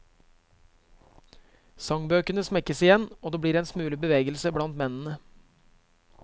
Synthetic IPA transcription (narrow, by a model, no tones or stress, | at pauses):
sɑŋbøːkənəsmɛkəsɪjɛnoːd̪eːbɽiːɾeːnsmʉːlɪbəʋeːɡəlsəbɽɑnt̪mɛnn̩ə